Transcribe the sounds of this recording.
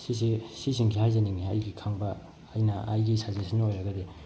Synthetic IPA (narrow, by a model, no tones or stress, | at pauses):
sisisisiŋɡʰihajzaniŋiajɡikʰaŋbɐː | jnɐa̰jɡisazesʰinɐojɾɐɡɐd̪e